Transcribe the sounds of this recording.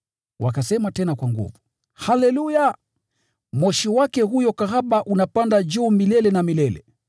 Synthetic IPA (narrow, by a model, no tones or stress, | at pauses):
wʔakasɛmatɛnakwaŋɡṵvu | halɛluja | mɔʃiwakɛhujɔkahaɓaʔunapandad͡ʒuːmilɛlɛnamilɛlɛ̰